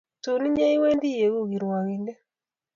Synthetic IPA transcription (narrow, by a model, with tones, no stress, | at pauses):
tu˨ni˦ɲe˦i˦we˦ndi˦je˨ɣu˦˨ɣi˨ɾwa˨ɣi˨nde˦